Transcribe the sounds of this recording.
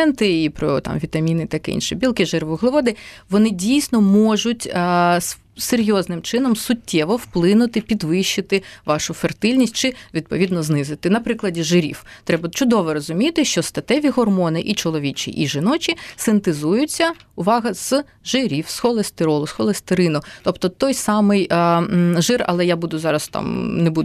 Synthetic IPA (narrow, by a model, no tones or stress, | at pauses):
ɛnt̪ɪipɾɔt̪ɑ̰mʋʲit̪ɐmʲinɪt̪ɐkɪ̰ḭnʃɪbʲilˠkɪʒɛrʋɔɣlˠɪʋɔd̪ɪʋɔnɪdʲijsʲnɔmɔʒʊtʲ | seɾʲjɔznɪmt͡ʃɪnɔmsʊtʲːɛʋɔwplˠɪnʊt̪ɪpʲid̪ʋɪʃːɪt̪ɪʋɑʃʊfert̪ɪlʲnʲisʲtʲt͡ʃɪʋʲid̪̚pɔ̰ʋʲid̪nɔznɪzɪt̪ɪnɐpɾɪklˠɐdʲiʒɪɾʲḭwt̪ɾɛbɐt͡ʃʊd̪ɔʋɛɾɔzʊmʲit̪ɪʃt͡ʃɔst̪ɐt̪ɛʋʲiɦɔrmɔnɪʔit͡ʃɔlˠɔʋʲit͡ʃʲḭʔiʒɪnɔt͡ʃʲisɪnt̪ɪzujʊt͡sʲːɐʊʋɑɦɐz̥ | ʒɪɾʲiwsxɔlˠest̪ɪɾɔlˠʊsxɔlˠest̪ɪɾɪnʊt̪ɔpt̪ɔt̪ɔjsɑmɪj | ʒɪrɐ̰lˠɛjabud̪ʊzɑɾɐst̪ɑ̰mnebud̪